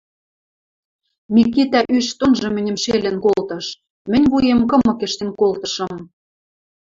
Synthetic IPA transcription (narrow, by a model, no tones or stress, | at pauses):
mikːit̪æʔyʃt̪onʒɤ̆mɘ̆nʲɘ̆mʃelʲɘ̆nkolt̪ɤ̆ʃ | mɘ̆nʲβujemkɤ̆mɤ̆kĕʃt̪ĕmkolt̪ɤ̆ʃɤ̆m